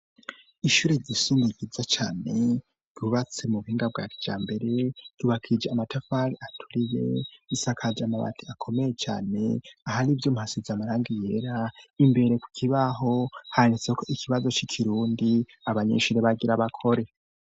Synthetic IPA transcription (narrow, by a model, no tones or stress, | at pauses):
iʃuːɾeɟisundiɡizat͡ʃaːne̞ | ɟuβat͡semuβuhiːŋɡabɡa̰ːkid͡ʒa̰ːmbe̞ɾe̞juβakʰid͡ʒeamatafaliatʰu̥ɾije̞̰isakʰad͡ʒamaβa̰tʰiakʰo̞me̞jet͡ʃa̰ːne̞ahaɾivjomhasizamaɾaːŋɡije̞ːɾaimbe̞ɾe̞ku̥kʰiβaɦo̞haanit͡sekʰo̞ikʰiβazo̞t͡ʃikʰiɾuːndi | aβaɲḛʃuɾeβaɡiɾaβakʰo̞ɾe̞